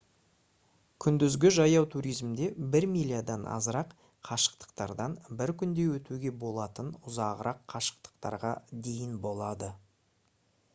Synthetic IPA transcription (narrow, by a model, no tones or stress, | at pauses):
kʲʰʏnd̪ɪzɡʲɪʒɑjɑwt̪ʰuɾijzmd̪e̞bɪɾmilʲijad̪ɑnʔɑ̰zəɾɑq | qʰɑʃə̥qt̪ə̥qt̪ɑɾd̪ɑnbɪɾkʲʰʏnd̪e̞wɵt̪uɡʲe̞bo̞lˠɑt̪ənʊzɑʁəɾʔɑqːʰɑʃə̥qt̪ə̥qt̪ɑ̰ɾʁɑd̪e̞jɪnbo̞lˠɑd̪ə